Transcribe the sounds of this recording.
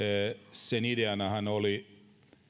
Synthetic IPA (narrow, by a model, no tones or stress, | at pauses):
senideɑnɑhɑnoli